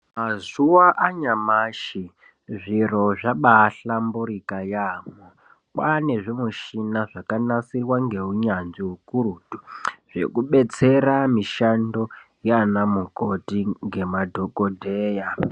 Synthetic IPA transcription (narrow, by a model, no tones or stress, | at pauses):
mazuwaʔaɲamaʃi | ʐiro̞ʐaɓaɬambuɾikajaːmo | kwane̞ʐimuʃinaʐakanasirwaŋɡe̞uɲanʐiɦukurutu̥ʐ̥e̞̰kuɓe̞t͡se̞ɾamiʃando̞jeanamuko̞tiŋɡe̞madʱo̞kodʱeːja